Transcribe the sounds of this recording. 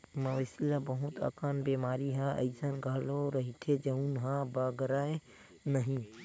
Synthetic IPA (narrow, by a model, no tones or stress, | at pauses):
mɐ̃ʋɐsilabɐɦʊt̪a̰ːkaːnbeːmaːɾiɦaɐ̰isənɡʱaːloɾɐɦit̪ʰed͡ʒɐũnɦãbaːɡəɾaːe | nɐɦĩ